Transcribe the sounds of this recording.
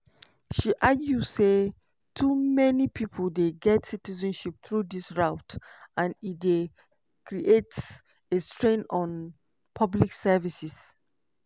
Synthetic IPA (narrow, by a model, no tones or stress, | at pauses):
ʃiʔaɡjuse | tʰumɛnipʰipʰəldeɡɛtsitizə̃nʃip̚θɹudisɹaʊtãnit̚de | kɹiʔets | estɹẽnɔ̃n | pʰʌbliksɛvisis